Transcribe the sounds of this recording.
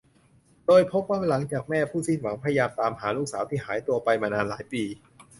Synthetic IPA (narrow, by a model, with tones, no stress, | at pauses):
doː˧jpʰo˦˥p̚waː˥˩la˩˦ŋt͡ɕaː˨˩k̚mɛː˥˩pʰuː˥˩si˥˩nwa˩˦ŋpʰa˧ja˧jaː˧mt̪aː˧mɦaː˩˦luː˥˩k̚saː˩˦wt̪ʰiː˥˩haː˩˦jt̪u˧ɐpa˧jmaː˧naː˧nlaː˩˦jpiː˧